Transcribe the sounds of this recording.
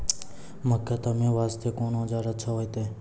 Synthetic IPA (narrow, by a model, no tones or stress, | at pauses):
məkːat̪əmẽːʋaːst̪ʰekoːnod͡ʒaːɾət͡ʃʰaɦoːjt̪eː